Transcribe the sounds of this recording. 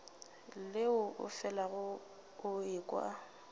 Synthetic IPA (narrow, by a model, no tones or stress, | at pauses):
lɪʊʔʊ̰fɛlaɣʊ | ʊɪkʼwa̰